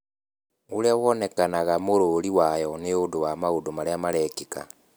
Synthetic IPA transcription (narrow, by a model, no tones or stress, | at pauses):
oɾeawɔnɛkanaɣamoɾoɾiwajɔneodowamaodomaɾeamaɾɛkeka̰